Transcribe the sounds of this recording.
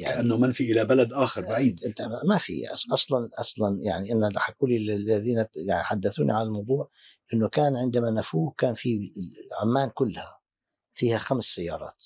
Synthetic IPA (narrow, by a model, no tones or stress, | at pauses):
jalʕʔanːamɪnfiʔɪlabalad̪ʔaːxɑɾˤbaʕiːd̪ʔɪnt̪amafḭʔɑsˤlɑnʔɑsˤlɑnja̰ʕniʔɪnːalaħakːuːlillːaðiːnajaʕniħad̪ːaθuːnḭʕalalmɑwd̪ˤuːʕ | ʔɪnːʊkaːnʕɪnd̪amanafuːkaːnfiʕʊmːaːnkʊlːha | fiːhaxamsːajːɑ̰ːɾˤɑ̰ːt̪